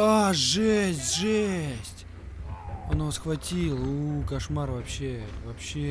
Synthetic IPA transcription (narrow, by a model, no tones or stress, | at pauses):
aʐɛsʲtʲʐɛsʲtʲ | onovsxvɐtʲilˠukɐʂmarvɐpɕːevɐpɕːe